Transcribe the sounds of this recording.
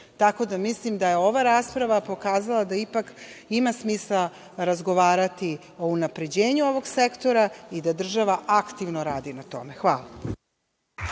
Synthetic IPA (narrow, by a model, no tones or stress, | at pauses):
t̪ako̞d̪amislimd̪ajeo̞ʋaɾaːspɾaʋapo̞kaːzalˠad̪aipak | imasmiːsa | ɾazɡo̞ʋaːɾat̪i | o̞unapɾe̞d͡ʑeːɲuo̞ʋo̞ɡsekt̪o̞ɾaid̪ad̪r̩ʒaʋaakt̪iʋnoɾaːd̪inat̪o̞̰me̞xʋa̰ːlˠa